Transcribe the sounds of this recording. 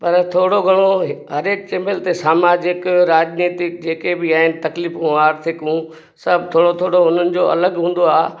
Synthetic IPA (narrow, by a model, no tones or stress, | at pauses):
pɐɾt̪ʰoːɽoɡʱɐɽ̃oɦɦɐɾeːk̚t͡ɕeməlt̪esaːmaːd͡ʑɪkɾaːd͡ʑniːt̪ɪk̚d͡ʑeːkebɪaːɦɪnɪ̆t̪ɐklifũaːɾt̪ʰɪkũ | sɐbt̪ʰoːɽot̪ʰoːɽoʊn̤ənɪ̆d͡ʑoʔɐ̰ləɡɦũːn̆d̪oaː